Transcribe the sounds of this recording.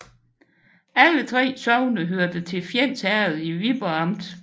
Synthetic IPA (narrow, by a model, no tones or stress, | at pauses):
ælət͡sʰʁɛ̰ːsɒʊnəɦøɐd̥ət͡sʰe̝lfjen̰sæɐð̩ˠiʋib̥ɐɑ̈md̥